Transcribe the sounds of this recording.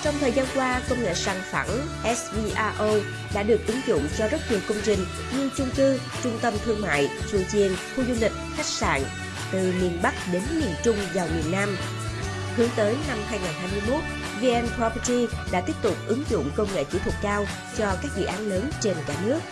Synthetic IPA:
t͡ɕɔ˧wŋ͡mt̪ʰəː˨˩jzaː˧nkwaː˧kə˧wŋ͡mŋḛ˧˨saː˨˩ŋfa̰˧˩n | ʔɛ˦˥svi˧ʔaː˧ʔo˧ | ɗa̰ː˧˥ɗɨ˨˩ək̚ʔɨ˨˦ŋzʊ̰˧˨ŋ͡mt͡ɕɔ˧zə˦˥t̚ɲi˨˩əwkə˧wŋ͡mt͡ɕï˨˩ŋ̟ | ɲɨ˧t͡ɕʊ˧ŋ͡mt̪ɨ˧ | t͡ɕʊ˧ŋ͡mt̪ə˧mt̪ʰɨ˧əŋma̰ː˧˨jt͡ɕṵ˧˨t͡ɕi˧˩ənxu˧zu˧lï˨˩k̟̚xa˦˥jk̟̚sa̰ː˧˨n | t̪ɨ˨˩mi˨˩ənɓa˦˥k̚ɗe˨˦nmi˨˩ənt͡ɕʊ˧ŋ͡mvaː˨˩wmi˨˩ənːaː˧m | hɨ˨˦əŋt̪əː˨˦jna˧mhaː˧jŋaː˨˩nɦaː˧jmɨ˧əjmo˦˥t̚ | vi˧ʔɛ˧npʰɔ˧pt͡ɕi˧ɗa̰ː˧˥t̪i˦˥əp̚t̪ʊ˨˩k͡p̚ʔɨ˨˦ŋzʊ̰˧˨ŋ͡mkə˧wŋ͡mŋḛ˧˨t͡ɕḭ˧˩t̪ʰt̚kaː˧w | t͡ɕɔ˧kaː˦˥k̚zɨ̰˧˨ʔaː˨˦nləː˨˦nt͡ɕe˧nkaː˧˩nɨ˦˥ək̚

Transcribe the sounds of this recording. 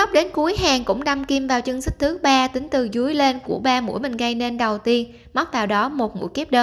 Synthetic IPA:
a˦˥k͡p̚ɗe˨˦nku˨˦əjɦaː˨˩ŋkʊ̰˧˥ŋ͡mɗa˧mki˧mvaː˨˩wt͡ɕɨ˧əŋsï˦˥k̚t̪ʰɨ˨˦k̚ɓaː˧t̪ï˨˦ŋ̟t̪ɨ˨˩zu˨˦jle˧nku˧˩əɓaː˧mṵ˧˥əjmï˨˩ŋ̟ɣə˧jne˧nɗə˨˩wt̪i˧ən | ma˦˥k͡p̚t̪aː˨˩wɗɔ˨˦mo˨˩t̚mṵ˧˥jki˦˥p̚ɗəː˧

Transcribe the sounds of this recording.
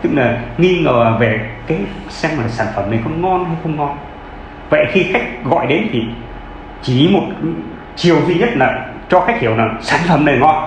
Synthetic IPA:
t̪ɨ˦˥k̚laː˨˩ŋi˧ŋəː˨˩ve˨˩kaː˨˦j | sɛ˧mlaː˨˩saː˧˩nfə˧˩mnə˨˩jxə˧wŋ͡mŋɔ˧nha˧jxə˧wŋ͡mŋɔ˧n | və̰˧˨jxi˧xa˦˥k̟̚ɣɔ̰˧˨jɗe˨˦nt̪ʰi˨˩ | t͡ɕi˧˩mo˨˩t̚ | t͡ɕi˨˩əwzwi˧ɲə˦˥t̚laː˨˩ | t͡ɕɔ˧xaː˦˥jk̟̚hi˧˩əwnaː˨˩sa̰ː˧˩nfə˧˩mnə˨˩jŋɔ˧n

